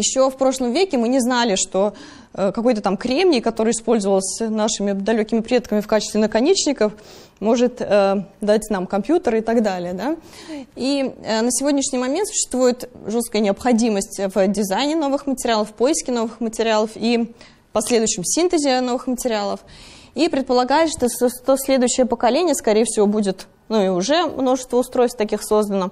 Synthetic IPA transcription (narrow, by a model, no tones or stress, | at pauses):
jɪɕːo̞fpɾo̞ʂlˠəmvʲekʲɪmɨnʲɪznalʲɪʂt̪o̞ | əkɐko̞jt̪ət̪amkɾʲemnʲɪjkɐt̪o̞ɾəjəɪspo̞lʲzəvəlˠəsʲnaʂɨmʲɪd̪ɐlʲɵkʲɪmʲɪpɾʲe̞t̪kəmʲɪfkat͡ɕɪst̪vʲɪnəkɐnʲet͡ɕnʲɪkəf | mo̞ʐɨt̪əd̪atʲnamkɐmpʲjut̪əɾɪt̪ɐɡd̪alʲɪjəd̪a | iənəsʲɪvʲo̞dʲnʲɪʂnʲɪjmɐmʲent̪sʊ̥ɕːɪ̥st̪vujɪt̪ʐut̪skəjənʲɪɐpxɐdʲiməsʲtʲvʲdʲɪzajnʲɪno̞vɨxmətʲɪɾʲɪalˠəfpo̞ɪskʲɪno̞vɨxmətʲɪɾʲɪalˠəfi | pɐsʲlʲe̞d̪ʊjɕːɪmsʲint̪ɨzʲɪno̞vɨxmətʲɪɾʲɪalˠəf | ipɾʲɪt̪̚pəlˠɐɡajɪt̪ʂt̪osost̪osʲlʲe̞d̪ʊjʏɕːɪjəpəkɐlʲenʲɪjəskɐɾʲejəfsʲɪvo̞budʲɪt̪ | nuiʊʐɛmno̞ʐɨst̪vəʊst̪ɾo̞jst̪t̪ɐkʲixso̞zd̪ənə